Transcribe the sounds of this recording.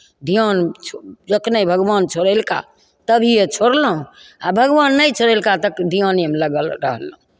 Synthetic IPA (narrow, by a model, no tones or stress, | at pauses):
d̪ʱiant͡ʃʰd͡ʒəknəjbʱəɡbant͡ʃʰoɾelka̰ | t̪əbʱiet͡ʃʰoɽləũabʱəɡʋanːəjt͡ʃʰoɾelkat̪əkd̪ʱianemləɡəlɾəɦəlɦũ